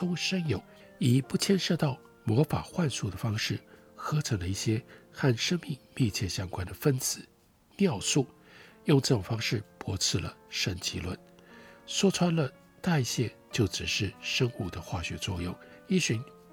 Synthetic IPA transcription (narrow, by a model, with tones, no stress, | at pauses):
ʊ˥ŋʂə˥ŋjo˨˩˦ʊ | i˨˩pu˥˩t͡ɕʰjɛ˥˧nʂɤ˥˧t̪ɑ˥˩ʊ | mwɔ˧˥fa̰˨˩xwa˥˧nsu˥˩d̪ə˩fɑ˥ŋʂɻ̩˥˩ | xɤ˧˥t͡sʰɤ˧˥ŋlə˧i˥˩ɕjɛ˥xa˥˩nʂə˥ŋmi˥˧ŋmi˥˧t͡ɕʰjɛ˥˩ɕjɑ˥ŋkwa˥nd̪ə˨fə˥nt͡sɹ̩˨˩˦ | njɑ˥˧ʊsu˥˩ | jʊ˥˧ŋʈ͡ʂɤ˥˩ʈ͡ʂʊ˨˩ŋfɑ˥ŋʂɻ̩˥˩pʰwɔ˧˥t͡sʰɹ̩˥˩lə̰˩ʂə˥˩ŋt͡ɕi˧˥lwə˥˩n | swɔ˥t͡sʰwa˥nlə˥˧ | t̪a˥˧i˥˩ɕjɛ˥˧t͡ɕjo˥˩ʊʈ͡ʂɻ̩˨˩ʂɻ̩˥˩ʂɤ˥ŋu˥˩d̪ə˨xwa˥˩ɕɥɛ̰˧˥t͡swɔ˥˧jʊ˥˩ŋi˥˩ɕy˧˥n